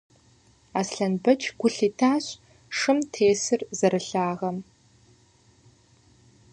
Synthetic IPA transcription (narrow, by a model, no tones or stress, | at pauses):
aːsɬɐnbɐt͡ʃʰɡ̥ʷʊɬiːtʰaːɕ | ʂɨmtʰeːsɨrzɐɾɨɬaːʁɐm